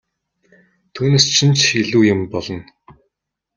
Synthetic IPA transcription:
t̪ʰuːneːst͡ɕʰɪ̆nt͡ɕiɮuːjɪmpɔɮɞ̆n

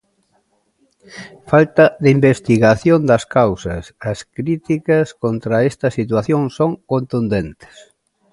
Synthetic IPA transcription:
falt̪ɐðimbest̪iɣaθjond̪ɐskawsɐsɐskɾit̪ikɐskont̪ɾɐest̪ɐsit̪waθjoŋsoŋkont̪und̪ent̪ɪ̥s

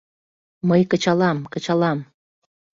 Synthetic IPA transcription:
məjkət͡ɕɑlɑmkət͡ɕɑlɑm

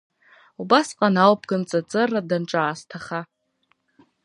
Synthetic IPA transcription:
ubasqʼanawpʰɡ̥ɨnt͡sʼat͡sʼɨrːadanʈ͡ʂʼaːstʰaχa

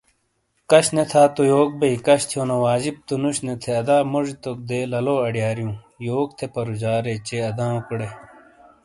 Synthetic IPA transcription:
kɐɕnet̪ʰaːt̪ojoːk̚bɐikɐɕt̪ʰjoːnɐ̃ʋaːd͡ʑib̚t̪unuɕnet̪ʰeɐd̪aːmoʐit̪ok̚d̪eːlɐloːɐɖijaːɾijũː | joːk̚t̪ʰepɐɾud͡ʑaːɾet͡ɕeɐd̪ãːũkuɽe

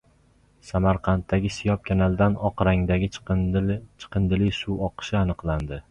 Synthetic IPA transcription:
samaɾqʰɑnt̪ːaɡʲɪsɪjɒp̚kʲʰanald̪anɒqɾaŋd̪aɡʲɪ | t͡ʃʰɨ̥qɨnd̪ɪlɪjsuwɒqʰɨ̥ʃɪanɨqlˠand̪ɪ

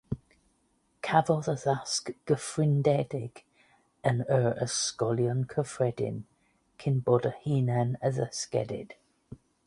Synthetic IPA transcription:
kʰavɔðəðaskɡ̥əfɹɪndɛdɪɡ̥ | ənəɹəskɔljənkʰəfɹɛdɪ̰n | kʰɪnbɔdəhiːnanəðəskɛ̰dɪ̰d̥

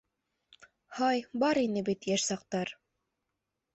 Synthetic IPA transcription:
hɑjbɑɾinɘbit̪jæʃsɑq̚t̪ɑɾ

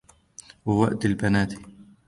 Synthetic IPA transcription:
wawaʔd̪ɪlbanaːt̪i̥

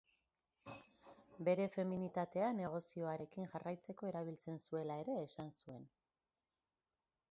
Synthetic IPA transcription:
be̞ɾe̞fe̞minit̪at̪e̞ane̞ɣ̞o̞sio̞aɾe̞kiŋʝarajt͡se̞ko̞e̞ɾaβ̞ilt͡se̞nsue̞lae̞ɾe̞ːsansue̞n

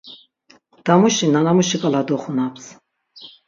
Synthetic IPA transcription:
d̪̥amuʃinanamuʃikʼalad̪ɔχunaps

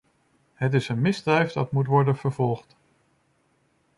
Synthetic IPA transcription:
ɦətɪsənmɪzdrɛjvdɑtmutʋɔɹdənv̥əɹvɔlˠχt

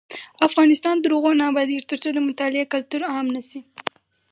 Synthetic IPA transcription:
afɣɑnɪst̪ɑnd̪əɾuɣonɑbad̪iɾt̪əɾt͡sod̪əmʊt̪ɑlɪekalt̪uɾaamnasi

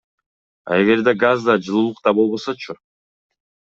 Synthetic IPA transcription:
ɑ̰eɡe̞ɾd̪eɡazd̪ɑd͡ʒɯlˠuːlˠuq̚t̪ɑbo̞lˠβo̞so̞t͡ʃʰʊ

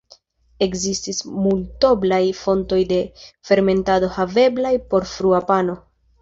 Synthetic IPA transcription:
e̞kzistismulto̞blajfo̞nto̞jde̞fe̞ɾme̞ntado̞have̞blajpo̞ɾfɾuapano̞

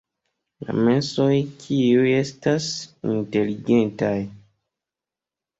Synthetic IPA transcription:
la̰me̞sojkʰiuje̞stasḭnte̞liɡe̞ntaj

